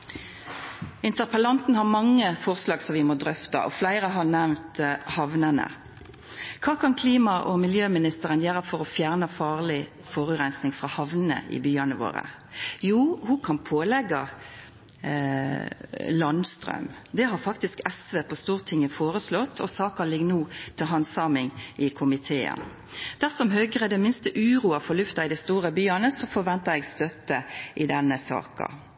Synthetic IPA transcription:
ɪnt̪əʁpəlɑnt̪n̩hɑʁmɑŋːəfɔʁslɑːɡsɔʋɪmɔd̪ʁœft̪ɑ̰ʔɔ̰flæɪɾəɦɑnæʋmt̪hɑʋnənə̰ | kʰɑːkʰɑnkʰliːmɑʔɔmɪljøːmɪnɪst̪əʁənjeːʁəfɔʁɔfjæːʁnəfɑːʁlɪ | fɔʁʉʁɛnsnɪŋfʁɑːhɑʋnn̩ə̰ʔɪ̰byːɑnəʋo̰ːʁə̰ | juːhʊkʰɑnpʰoːlɛɡɑ | lɑnst̪ʁœ̰ʉm | d̪ɛɦɑɾfɑk̚t̪ɪskɛsʋeːpʰɔst̪uːʁət̪ʰɪŋːəfoːʁəslɔt̪ːʰɔ̰sɑːkɑlɪɡnuːt̪ʰɪlɦɑnsɑːmɪŋɪkʰʊmɪt̪ʰeːə̰n | d̪̥æʁsɔmɦœɡəʁɛd̪ɛmɪnst̪əʔʉːʁuːɑfɔlʉft̪ɑɪd̪ɛst̪uːʁəbyːɑnəsɔfɔʁʋɛnt̪əʁɛɡst̪œt̪ːəʔɪd̪ɛnːəsɑ̰ːkɑ̰

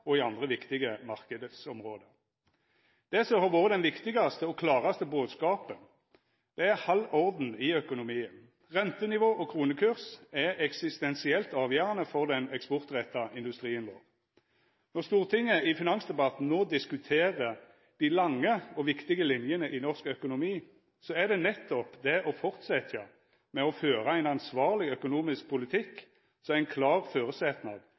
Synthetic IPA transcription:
ɔɪɑnd̪ʁəʋɪkt̪ɪɡəmɑʁkəd̪ət̪sɔmʁoːd̪ə | d̪̥ɛsɔhɑːʁʋoːʁəd̪ɛnʋɪkt̪ɪɡɑst̪əɔkʰlɑːʁɑst̪əboːd̪skɑːpən | d̪̥ɛæʁhɑlɔʁd̪n̩ɪœkʊnʊmiːən | ʁɛnt̪ənɪʋoːʔɔkʰɾuːnəkʰʉʁsɛɛksɪst̪ɛnsɪɛlt̪ɑːʋjøːʁɑnəfɔʁd̪ɛnɛkspɔʁt̪ʁɛt̪ːɑʔɪnd̪ʉst̪ʁiːənʋo̰ːʁ | nɔʁst̪uːʁt̪ʰɪŋːəɪfɪnɑnsd̪ɛbɑt̪n̩noːd̪ɪskʉt̪ʰeːʁə | d̪̥ɪlɑŋːəɔʋɪkt̪ɪɡəlɪnjənəʔɪnɔʁskœkʊnʊmiː | sɔæʁd̪ɛnɛt̪ːɔpd̪ɛʔɔfɔʁt̪sɛt̪ʰə | mɛɔføːʁəæɪnɑnsʋɑːʁlɪœkʊnuːmɪsk̚pʰʊlɪt̪ʰɪkː | sɔmæɪnkʰlɑːʁføːʁəsɛt̪nɑ̰d̪

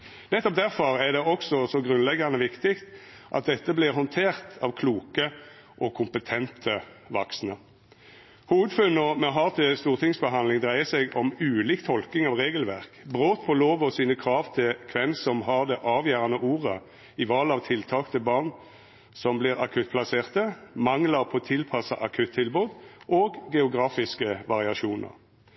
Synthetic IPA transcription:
nɛt̪ːɔp̚d̪æʁfɔʁæʁd̪ɛɔksɔsɔɡʁʉnlɛɡːɑnəʋɪkt̪ɪkt̪ | ʔɑ̰t̪̚d̪ɛt̪ːəblɪʁhɔnt̪ʰeːʁt̪ʰɑʋkʰluːkə | ʔɔkʰʊmpət̪ʰɛnt̪ʰə | ʋɑksnə | huːʋəd̪fʉnːɔmɛɦɑʁt̪ʰɪlst̪uːʁt̪ʰɪŋsbəɦɑnlɪŋd̪ʁæɪəsɛɡɔmʉːliːkt̪ʰɔlkɪŋɑʋʁeːɡəlʋæʁkbʁoːt̪pʰɔloːʋɔsiːnəkʰʁɑːʋt̪ʰɪlkʰʋɛnsɔmhɑʁd̪ɛʔɑːʋjæːʁɑnəʔuːʁə | ɪʋɑːlɑʋt̪ʰɪlt̪ʰɑːkt̪ʰɪlbɑːʁn | sɔmbliːʁɑ̰kʰʉt̪̚pʰlɑseːʁt̪əmɑŋləʁpʰɔt̪ʰɪlpʰɑsɑ̰ʔɑkʰʉt̪ʰːɪlbuːd̪ʔoːɡɡɛʊɡʁɑːfɪskəʋɑʁɪɑʃuːnə̰ʁ

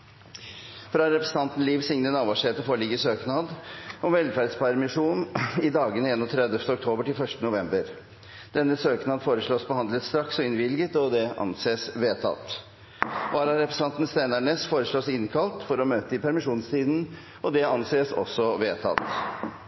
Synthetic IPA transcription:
fɾɑɾɛpɾɛsən̩t̪ʰɑnt̪n̩liːʋsɪŋnənɑːʋɑʂheːt̪əfoːɭɪɡəsøːknɑːd̪ɔmʋɛlfæɾɖspʰæɾmɪʂuːnɪd̪ɑːɡənəeːnɔt̪ʰɾɛd̪əft̪əɔk̚t̪ʰoːbəʈɪlfœʂtənʊʋɛmbəɾ | d̪̥ɛnːəsøːknɑːd̪foːɾəʂɭoːsbəhɑnd̪lət̪st̪ɾɑksɔɪnʋɪlɡət̪ɔd̪ɛʔɑ̰nseːsʋeːt̪ʰɑ̰t̪ | ʋɑːɾɑɾɛpɾɛsɑnt̪n̩st̪eːnæɳeːsfoːɾəʂɭoːsɪnkʰɑlt̪fɔɾɔmøːt̪əɪpʰæɾmɪʂuːnst̪ʰiːd̪n̩ | ɔd̪ɛɑnseːsɔ̰sɔʋeːt̪ʰɑ̰t̪

